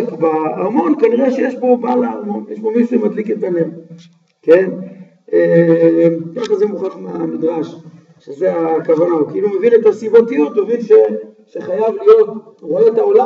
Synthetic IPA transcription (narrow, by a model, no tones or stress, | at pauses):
kbaamo̞nkaniʁeʃejeʃbo̞balaamo̞njeʃbo̞miʃuemad̪liket̪aneʁ | ke̞n | emkaχazemuχaχmeamid̪ʁaʃ | ʃezeakavanaukiilumevinet̪asibot̪ijot̪umevinʃe̞ʃeχajavlijo̞t | ʁoet̪ao̞la